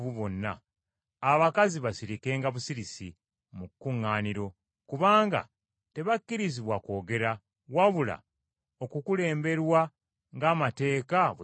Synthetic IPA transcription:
βuβo̞nːa̰ː | βakaziβasiɾike̞ːŋɡaβusiɾisḭ | mukːuŋːaːniɾo̞ | kuβaːŋɡa̰ | te̞βakːiɾiziβwako̞ːɡe̞ɾa | waβula̰ | o̞kukule̞ːmbe̞ɾwa | ŋɡaːmate̞ːkaβ

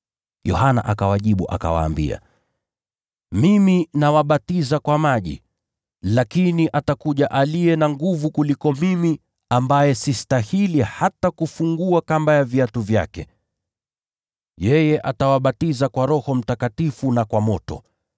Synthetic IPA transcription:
jɔhana̰ʔakawaʄiɓuʔa̰ka̰wa̰ːmbḭa̰ | miminawaɓatizakwamaʄḭ | lakiniʔatakuʄaʔalijɛnaŋɡuvukulikɔmimi | ambajɛsistahilihatakufuŋɡuakambajaviatuvja̰kɛ | jɛjɛʔatawaɓatizakwaɾɔhɔm̩takatifunakwamɔtɔ̰

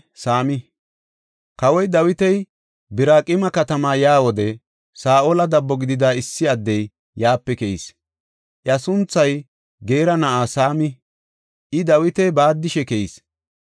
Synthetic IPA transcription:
saːmɪ | kɐwɔjd̪ɐwɪt̪ɛj | bɪɾaːkʼɪmɐkɐt̪ɐmaːjaːwɔd̪ɛ | saːʔolɐd̪ɐbːɔɡɪd̪ɪd̪aːɪsːɪɐd̪ːɛj | jaːpːɛkɛḭs | ʔjɐsʊnt͡sːɐj | ɡeːɾɐnɐʔaːsaːmɪ | ʔɪd̪ɐwɪt̪ɛjbaːd̪ːɪʃɛkɛḭs

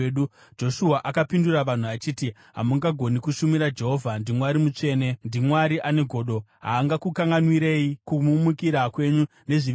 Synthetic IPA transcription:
ɗu | d͡ʒo̞ʃuaʔakapinduraʋan̤uat͡ʃiːti | ɦa̰muŋɡaɡʱo̞nikuʃumiɾad͡ʒe̞ɦo̞vʱandimwaɾimut͡ʂe̞ːne̞ndimwaɾiʔane̞ɡʱo̞ːɗo̞ɦa̰ːŋɡakukaŋɡanwiɾe̞jikumumukiɾakwe̞ɲu | ne̞ʐi

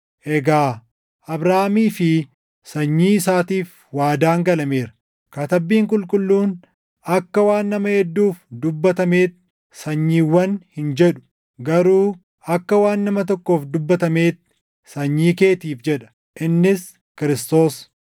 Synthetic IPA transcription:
ʔɛɡaː | ʔɐbɾaːmiːfɪ | sɐɲːiːɪsaːt̪iːf | waːd̪aːŋɡɐlɐmeːɾɐ̥ | kɐt̪ɐbiːŋkʼʊlkʼʊlːuːn | ɐkːɐwaːnːɐmɐhɛd̪ːuːfd̪ʊbːɐt̪ɐme̞ːt̪ | sɐɲːiːwːɐnhɪnd͡ʒɛᶑʊ̥ | ɡɐɾuː | ɐkːɐwaːnːɐmɐt̪̬ɔkːo̞ːfd̪ʊbːɐt̪ɐme̞ːt̪ː | sɐɲːiːke̞ːt̪iːfd͡ʒɛᶑɐ̥ | ʔɪnːɪs | kɪɾɪst̪o̞ːs

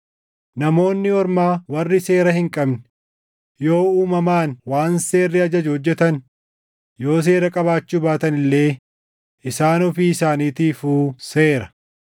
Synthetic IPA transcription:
nɐmo̞ːnːɪɔɾmaːwɐrːɪse̞ːɾɐhɪŋkʼɐbn | jo̞ːuːmɐmaːnwaːnse̞ːrːɪɐd͡ʒɐd͡ʒʊhɔd͡ʒːɛt̪ɐn | jo̞ːs̬e̞ːɾɐkʼɐβaːt͡ʃːuːbaːt̪ɐnɪlːe̞ː | ʔɪsaːnɔfiːɪsaːniːt̪iːfuːse̞ːɾɐ

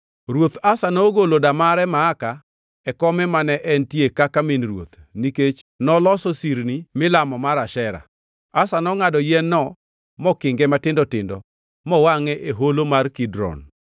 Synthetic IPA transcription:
ɾwot̪asanɔɡolodamaɾɛmaːka | ɛkɔmɛmanɛʔɛntjekakaminɾwot̪niket͡ʃ | nɔlɔsosiɾnimɪlamɔmaɾaʃɛɾa̰ | asanɔŋadɔjɛnːɔ | mɔkɪŋɡɛmatɪndɔtɪndɔ̰ | mɔwaŋɛʔeɦolomarkidɾɔ̰n

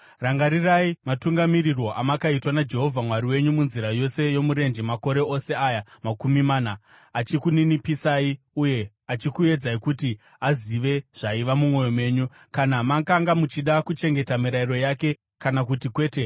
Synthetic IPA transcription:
raŋɡaɾiraimatuŋɡamiɾirwo̞ʔamakaitwanad͡ʒe̞ɦo̞vʱamwaɾiwe̞ɲumunziɾajo̞se̞jo̞muɾe̞nd͡ʒemako̞ɾe̞o̞se̞aːjamakumimaːnaː | t͡ʃikuninipisai | uje̞ | at͡ʃikue̞d͡zaikuti | aziʋe̞ʐ̥aiʋamumwo̞jo̞mwe̞ːɲu | kanamakaŋɡamut͡ʃiɗakut͡ʃe̞ŋɡe̞tamiɾairo̞jake̞ | kanak̬utikwe̞ːte̞

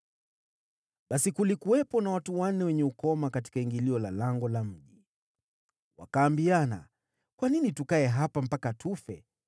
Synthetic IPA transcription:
ɓasikulikuwɛpɔnawatuwanːɛwɛɲɛukɔmakati̥kaiŋɡiliɔlalaŋɡɔlam̩ʄi | wa̰kaːmbiana̰ | kwaninitukaɛɦapam̩pakatʰufɛ

